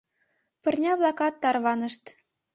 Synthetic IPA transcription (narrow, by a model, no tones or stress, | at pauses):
pɤ̆rnʲɑβlˠɑkɑt̪ːɑrβɑnə̆ʃt̪